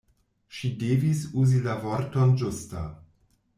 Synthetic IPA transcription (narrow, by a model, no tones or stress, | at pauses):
ʃide̞visuzilavoɾtond͡ʒusta̰